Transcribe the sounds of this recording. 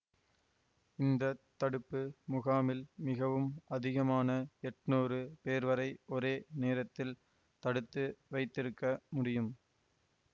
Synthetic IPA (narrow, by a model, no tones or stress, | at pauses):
ɪnd̪ɐt̪ːɐɽɯpːɯmʊɣaːmɪlmɪɣɐʋɯmɐðɪɣɐmaːnɐɛʈnoːrɯpeːɾʋɐɾɐɪɔɾeːneːɾɐt̪ːɪl | t̪ɐɽɯt̪ːɯʋɐɪt̪ːɪɾɯkːɐmʊɽɪjɯm